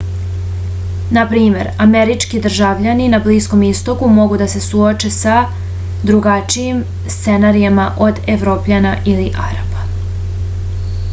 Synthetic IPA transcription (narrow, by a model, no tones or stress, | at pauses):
napɾiːme̞ɾameɾit͡ʃkid̪r̩ʒaʋʎaninabliːsko̞mist̪o̞kumo̞ɡud̪ase̞suot͡ʃe̞sa | d̪ɾuɡat͡ʃiim | st̪se̞naɾijamaʔo̞d̪eʋɾo̞ːpʎanaʔiliʔa̰ɾabḁ